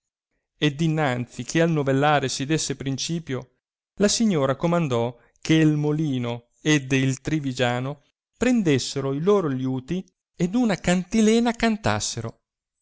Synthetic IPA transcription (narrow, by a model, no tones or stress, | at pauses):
ed̪inːant̪sikʰealnovelːaːɾesid̪esːepɾint͡ʃiːpjo | lasiɲːoːɾakomand̪ɔ | kʰelmoliːno | ed̪ilt̪ɾivid͡ʒaːno | pɾend̪esːeɾoiloːɾoljuːt̪i | ed̪unakant̪ilɛːnakant̪a̰sːeɾo̰